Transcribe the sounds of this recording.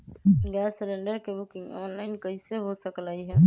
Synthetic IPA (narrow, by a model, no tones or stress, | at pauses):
ɡɛɾsəleɳɖəɾkebukɪ̃ŋɡɔnlaɪnkəɦiseɦosəklajɦɛː